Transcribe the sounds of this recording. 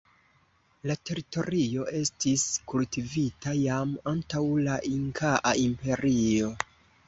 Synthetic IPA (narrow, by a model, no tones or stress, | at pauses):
late̞ɾito̞ɾio̞ʔe̞stiskultivitajamantawlaʔiŋkʰaʔaimpe̞ɾio̞